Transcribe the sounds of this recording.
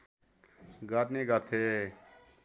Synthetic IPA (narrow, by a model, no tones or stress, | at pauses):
ɡaːt̪neːɡaːt̪ʰe